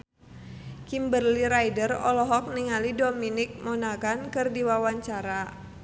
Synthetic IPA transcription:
kimbərliɾajdərɔ̰lɔɦɔk̚niŋalidominik̚monakankɨrdiwawaɲt͡ʃaɾa

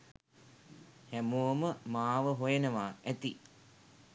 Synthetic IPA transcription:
hæmoːməmaːʋəɦojenəʋaːæt̪i

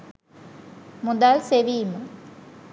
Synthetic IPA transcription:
mud̪alseʋiːmə

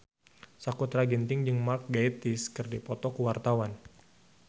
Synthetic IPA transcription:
sakut̪ɾaɡint̪ɪŋd͡ʒɨŋmark̚ɡait̪ɪskɨrdipɔt̪ɔkuwart̪awan

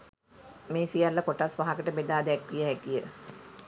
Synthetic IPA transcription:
meːsijalːəkoʈasʋaɦakəʈəbed̪aːd̪ɛkːijəɦækijə

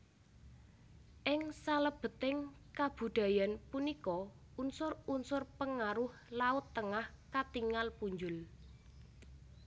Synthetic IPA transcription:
ʔɪŋsaləb̥ə̤t̪ɪŋ | kab̥ṳɖ̪̥ä̤janpunikɔ | unsʊrunsʊrpəŋaɾʊhlaʊt̪ːəŋah | kat̪iŋalpuɲd͡ʒʊl

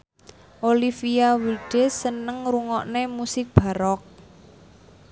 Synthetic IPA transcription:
ʔolifiawiɖ̥esənəŋɾuŋɔʔnemusɪk̚b̥a̤ɾɔk̚

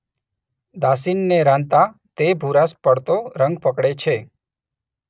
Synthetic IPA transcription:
d̪asinːeɾãnt̪at̪ebʱuɾaspəɽt̪oɾə̃ŋɡpəkɽet͡ʃʰe

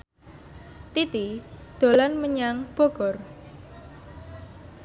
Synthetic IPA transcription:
t̪it̪id̪̥o̤lanməɲaŋb̥ɔ̤ɡ̥ɔr

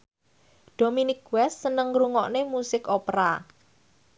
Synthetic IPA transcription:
ɖ̥ominɪkwɛsːənəŋɾuŋɔʔnemusɪkopɾa

